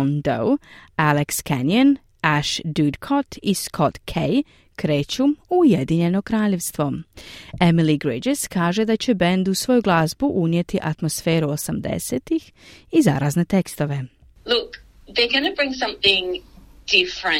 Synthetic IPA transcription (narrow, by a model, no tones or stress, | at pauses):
nd̪o̰walekskanjan | aʃd̪ud̪kʰot̪ʰiskʰot̪kʰej | kɾeːt͡ɕumujed̪iɲe̞no̞kɾaːʎe̞ʋst̪ʋo̞ | emiliɡɾid͡ʒeskaːʒe̞d̪at͡ɕebe̞nd̪usʋo̞ːjuɡlˠazbuʔunjet̪ʰiʔat̪mosfe̞ːɾuosamd̪ḛseːt̪ix | iza̰ːɾaːzne̞t̪ekst̪o̞ʋe̞ | lʊk | ðeɡanəbɹɪ̃ŋsʌ̃mθɪ̃ŋd̥ɪfɹə̃